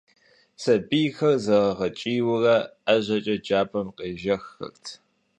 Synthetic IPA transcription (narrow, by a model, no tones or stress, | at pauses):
sɐbiːjxɐrzɐʁɐʁɐt͡ʃʼiːwʊrɐɐʑɐt͡ʃʼɐd͡ʒaːpʰʼɐmqeːʒɐxːɐ̰rtʰ